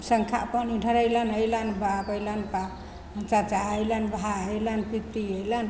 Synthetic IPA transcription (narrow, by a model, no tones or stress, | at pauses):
səŋkʰa̰pəniɖʱəɾəjlanəjlanbabəjlanpa | ɦənt͡ʃat͡ʃaəjlanbʱaəjlanpit̪iəjlan